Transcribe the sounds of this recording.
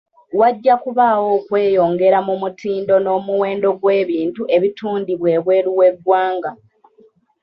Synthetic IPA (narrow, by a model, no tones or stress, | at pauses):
waɟːakuβawo̞ːkwe̞ːjo̞ːŋɡe̞ɾamumutʰiːndo̞no̞ːmuwe̞ːndo̞ɡwe̞ːβiːntuʔe̞βituːndiβwe̞ːβwe̞ːɾuwe̞ɡwaːŋɡa